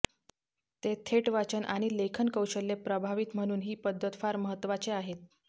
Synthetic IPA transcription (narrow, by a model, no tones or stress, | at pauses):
t̪et̪ʰeʈʋat͡ɕənʔa̰ɽ̃ilekʰənkəwɕəlːepɾəbʱaʋit̪m̤əɽ̃uːnɦiːpəd̪ʱːət̪faɾməɦət̪ːʋat͡seaɦet̪̚